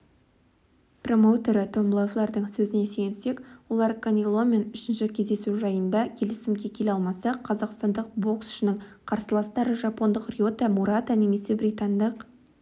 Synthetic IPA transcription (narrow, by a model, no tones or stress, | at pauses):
pro̞mo̞wt̪e̞ɾət̪ʰo̞mblˠoovlˠɑɾd̪əɴsɵzɪne̞se̞jnse̞kwolˠɑɾkanʲilˠo̞me̞nʏʃɪnʃɪkʲʰe̞zd̪e̞suʒɑjənd̪ɑkʲʰe̞lɪsɪmɡʲe̞kʲʰelʲeɑlˠmɑsɑqʰɑzɑqst̪ɑnd̪əq̚bo̞ksʏ̥ʃɪnɪɴqʰɑɾsəlˠɑst̪ɑɾəʒɑpo̞nd̪əqrʲijo̞t̪ɑmuɾɑt̪ane̞me̞se̞bɾʲit̪and̪əq